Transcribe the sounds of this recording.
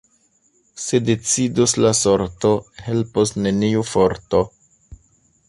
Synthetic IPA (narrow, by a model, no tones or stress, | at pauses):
se̞de̞t͡siduslasoɾto̞he̞lposne̞niufoɾto